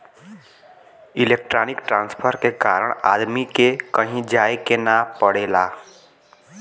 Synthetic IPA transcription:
ilek̚ʈɾaːnɪkʈɾãːnspʰəɾkekaɾəɽ̃a̰ːd̪mikekəɦĩd͡ʒaːekenapəɽeːla

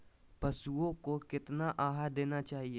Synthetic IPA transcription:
pɐsuõkokɪt̪naʔaːɦad̪eːnat͡ʃaːɦie

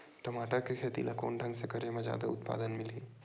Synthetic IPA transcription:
ʈɐmaːʈəɾkekʰeːt̪ḭlʔako̰ːnɖʱɐ̃ŋɡsekɐɾemẽd͡ʒa̰ːd̪aʊt̪pa̰ːd̪ənmɪliː

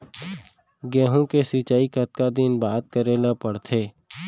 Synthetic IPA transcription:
ɡɛːɦũkesit͡ʃaːikət̪̚kad̪ɪnbaːt̪̚kəɾeːlapəɽt̪ʰeː

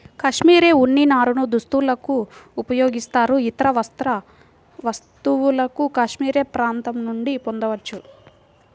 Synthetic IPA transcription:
kɐʂmiːɾe̞ːuɳːinaːɾunud̪ust̪ulɐkuːpɐjo̞ːɡist̪aːɾuit̪ɐɾɐʋɐst̪ɾɐ | ʋɐst̪uwulɐkukɐʂmiːɾe̞ːpɾaːnt̪ɐmnuɳɖipond̪ɐʋɐt͡ʃːu

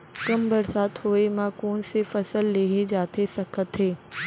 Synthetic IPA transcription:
kɐmbɐɾsaːt̪hoːemãkoːnsefɐsəlːeːɦed͡ʑaːt̪ʰesɐkʰət̪ɦeː

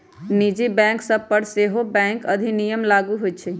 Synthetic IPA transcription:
nid͡ʒibɛ̃ksəb̚pəɾseɦobɛ̃ŋkəd̪ʱinijəmlaɡuɦojt͡ʃʰɛ

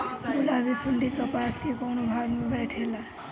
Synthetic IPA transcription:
bulabesunɖikəpaskekownobʱaɾmebɛjʈʰela

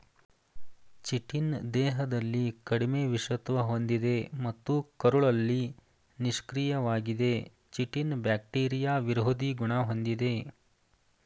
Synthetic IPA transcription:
t͡ʃiʈind̪ɛːɦɐd̪ɐlːikɐɽimeːʋiʂɐt̪ʋɐɦo̞nd̪id̪e̞mɐt̪ːukɐɾuɭɐlːi | niʃkɾijɐʋaːɡid̪e̞ | t͡ʃiʈinbjaːk̚ʈiːɾijaːʋiɾɦod̪iɡuɳɐɦo̞nd̪id̪e̞

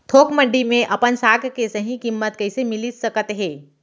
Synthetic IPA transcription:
t̪ʰoːkmə̃ɳɖimẽʔɐpənsaːɡʱkesɐɦĩkimːət̪kɐɪsemɪlisəkət̪ɦɛ̃ː

